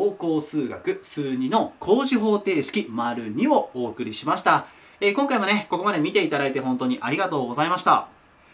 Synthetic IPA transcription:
oːko̞ːsɨːɡa̰kɯ̟sɨːɲ̟ino̞kʰo̞ːʑiɦo̞ːt̪e̞ːɕi̥kʲimaɾɯ̟ɲ̟io̞oːkɯ̟ɾʲiɕimaɕi̥t̪a | ekõ̞ŋkaimone̞ko̞ko̞mad̪e̞mʲit̪e̞it̪ad̪ɾait̪e̞ɦõ̞nt̪o̞ɲ̟iʔaɾʲiɡat̪o̞ːɡo̞zaimaɕi̥t̪a̰

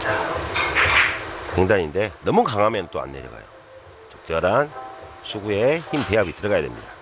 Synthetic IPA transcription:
t͡ɕa | heŋdaɲinde̞nʌmukaŋɦamjʌnt͈oa̰nːḛɾjʌ̰ɡa̰jo̰ | tɯ̥k̚t͡ɕ͈ʌɾansʰuɡujeçimpʰeabit͈ɯɾʌɡajadwḛmɲḭda

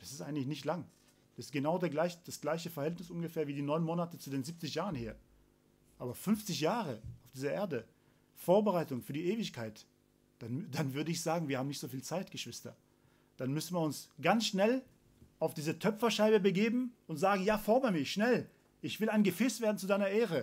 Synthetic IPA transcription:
d̥asɪstʔaɪɡətlɪçnɪçtlaŋ | d̥asɪ̥stɡ̥ənaʊdeːɐɡlaɪçd̥asɡ̥laɪçəfɛɐhɛltnɪsʔʊnɡəfɛːɐviːdiːnɔʏnmoːnatət͡sudeːnziːp̚t͡sɪçjaːʁənheːɐ | ʔaːbɐfʏnft͡sɪçjaːʁəaʊfd̥iːzɐʔeːɐdə | foːɐbəʁaɪtʊŋfyːɐdiːʔeːvɪçkʰaɪt | d̥ad̥anvʏɐdəɪçz̥aːɡŋ̩viːɐhaːm̩nɪçtz̥oːfiːlt͡saɪtɡ̥əʃv̥ɪstɐ̰ | d̥anmʏsn̩viːɐʊnsɡ̥ansʃnɛl | ʔaʊfd̥iːzətʰœpfɐʃaɪbəbəɡeːbm̩ʊntz̥aːɡŋ̩jaːfɔɐmɐmɪʃnɛl | ʔɪçv̥ɪlaɪnɡəfɛːsv̥eːɐdn̩t͡sudaɪnɐʔeːʁə

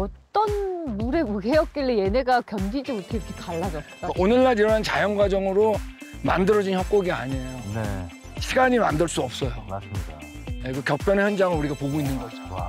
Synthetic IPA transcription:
ʌtt͈ʌnmuɾe̞muɡejʌk̚k͈eɭːeje̞ne̞ɡakjʌnɡid͡ʑimotʰʌiɾʌkʰekaɭːad͡ʑʌsk͈aʔonɯɭːaɾiɾant͡ɕajʌŋɡwad͡ʑʌŋɯɾo | mandɯɾʌd͡ʑinçjʌk̚k͈oɡia̰ɲejone | ɕʰiɡaɲimandɯɭs͈uʌp̚s͈ʌjomasɯmɲida | jekɯkjʌk̚p͈ʰjʌnçjʌnd͡ʑaŋɯɭuɾiɡapoɡoinːɯnɡʌd͡ʑʰao

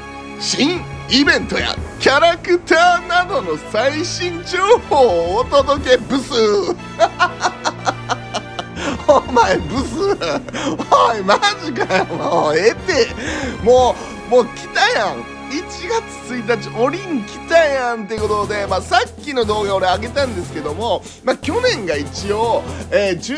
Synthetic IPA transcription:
ɕĩɰ | ibẽ̞nt̪o̞ja̰kʲaɾakɯ̟t̪aːnad̪o̞no̞saiɕĩɲ̟d͡ʑoːhoːt̪od̪o̞ke̞bɯ̟sɨ | omaebɯ̟sɨ | omaemaʑik̬ajamoːet̪emoː | moːkʲi̥t̪ajãŋ | it͡ɕiɡat͡sɨ̥t͡sɨit̪̬at͡ɕio̞ɾʲĩŋkʲi̥t̪ajãnt̪eko̞t̪o̞d̪e̞maːsakʲːino̞d̪o̞ːɡaːɾeaɡe̞t̪ãnd̪e̞sɨ̥ke̞d̪o̞mo | makʲo̞nẽ̞ŋɡait͡ɕioeːt͡ɕɨ

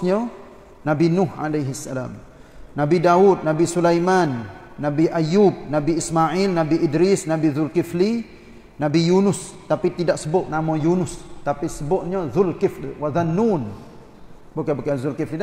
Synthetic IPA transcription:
ɲə | nabinʊha̰lajɦisːala̰m | nabidaut̪̚nabisulajmanː | abiʔajub̚nabiismaʕilnabiʔidɾisnabiðʊlkifli | nabijunʊst̪apit̪idaʔsəbʊʔ̚namɔ̃junʊst̪apisəbʊʔɲəðʊlkifliwaðanːun | bukabukaðulkifli

